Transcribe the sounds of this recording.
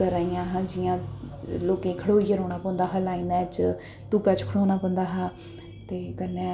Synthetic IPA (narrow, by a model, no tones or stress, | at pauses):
əɾəːijãːɦãd͡ʒɪjãːloːkẽːkʰəɽoːijəɾõːɽ̃aːpɔ̃nd̪aːɦaːlaːiːnɛːt͡ʃ | t̪uːpaːt͡ʃkʰəɽoːɽ̃aːpə̃nd̪aːɦaː | t̪eːkənːeː